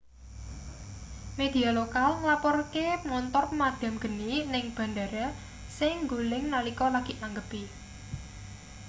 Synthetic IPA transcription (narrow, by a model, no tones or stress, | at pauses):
med̪̥ialokalŋlapɔrkemŋɔnt̪ɔrpəmad̪̥a̤mɡ̥ə̤ninɪŋb̥a̤nd̪a̤ɾa | sɪŋŋɡulɪŋnalikɔlaɡ̥iʔaŋɡəpi